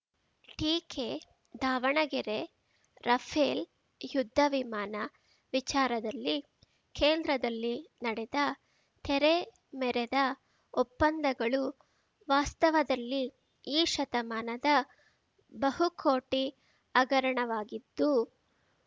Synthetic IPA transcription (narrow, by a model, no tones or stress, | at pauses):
ʈiːkʰe | d̪ʱaːʋɐɳɐɡɛɾe | ɾɐpʰeːl | jud̪ʱːɐʋimaːnɐ | ʋit͡ʃaːɾɐd̪ɐlːi | kʰeːnd̪ɾɐd̪ɐlːinɐɽɛd̪ɐ | t̪ʰɛɾe | mɛɾed̪ɐ | opːɐnd̪ɐɡɐɭu | ʋaːst̪ɐʋɐd̪ɐlːi | iːʃɐt̪ɐmaːnɐd̪ɐ | bɐɦukʰoːʈi | ɐɡɐɾɐɳɐʋaːɡid̪ːu